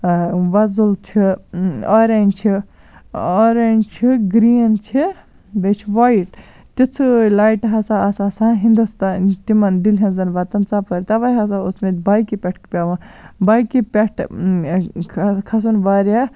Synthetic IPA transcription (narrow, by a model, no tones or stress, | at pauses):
ʋɐzult͡ʃʰioɾent͡ʃʰi | oɾent͡ʃʰiɡɾiːnt͡ʃʰi | b̪ɐt͡ʃʰiʋajʈ | t̪it͡sʰɨlaːjʈɦɐsaɐsasãɦind̪ust̪aːnt̪imɐnd̪ilɦɐnzɐnʋɐt̪ɐnt͡saːpɐɾʲt̪ɐʋajɦɐsaosmet̪̚ʲbaːjkipʲeʈʰkpʲaʋɐbajkipʲeʈʰ | kʰɐs̬unʋaɾa